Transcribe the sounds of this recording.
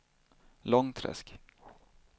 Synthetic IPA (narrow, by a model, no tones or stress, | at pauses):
lɔŋt̪ʰɾɛ̰sk